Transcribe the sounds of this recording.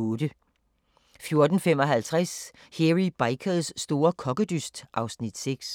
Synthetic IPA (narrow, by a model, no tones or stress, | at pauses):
od̥ə | fjo̝ɐd̥n̩fem̰ɒ̽ɦælt͡sʰʁas | heʁib̥ɑ̈ɪkʰəðˠsːd̥o̝ːɐkʰɒ̽ɡ̥əd̥ysd̥ʔɑ̈ʊsnid̥seɡ̥s